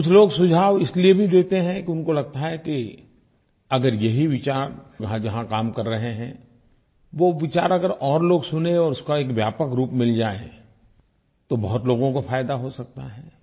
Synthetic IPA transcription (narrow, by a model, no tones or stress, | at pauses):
kʊt͡ʃʰloːɡsʊd͡ʒʱaːʋɪsliebʱid̪eːt̪eɦɛ̃kiʊnkolɐɡ̚t̪aɦɛki | ɐɡəɾjɐɦiʋɪt͡ʃaːɾd͡ʒɐɦãd͡ʒɐɦãkaːmkɐɾːɐɦeɦɛ̰̃ | ʋoʋɪt͡ʃaːɾɐɡəɾɔːɾloːɡsʊnẽɔːɾʊskoeːkʋjaːpəkɾuːpmɪld͡ʒaːẽ | t̪obɐɦʊt̪loːɡõkofʰaːjd̪aɦosɐk̚t̪aɦɛː